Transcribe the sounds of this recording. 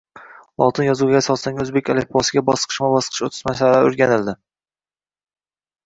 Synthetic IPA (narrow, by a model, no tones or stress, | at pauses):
lˠɒ̰t̪ʰɪnjɒzuɡʲasɒt̪saŋʲɵzbekʲʰalepʰwɒsɪɡʲabɒsqʰɨ̥ʃmabɒsqʰɨ̥ʃot̪ʰɪ̥ʃmasallaɵɾɡʲanɪld̪ɪ